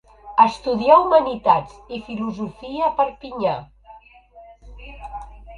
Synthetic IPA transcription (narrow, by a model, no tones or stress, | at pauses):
əst̪uðiaumənit̪ad͡zifiluzufiəpəɾpiɲa